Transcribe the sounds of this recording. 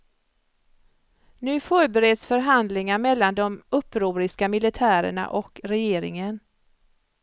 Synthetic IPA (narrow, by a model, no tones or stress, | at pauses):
nʉ̟ːfœːɾbɛɾɛd̪sfœɾɦand̪lɪŋaɾmɛlːand̪ɔmɵpːɾuːɾɪskamɪlɪt̪ʰæːɾə̰ɳa̰ʔɔkɾɛjeːɾɪ̰ŋən